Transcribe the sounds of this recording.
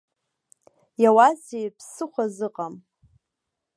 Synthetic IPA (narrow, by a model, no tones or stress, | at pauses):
jawazejpʰsɨχʷazɨqʼam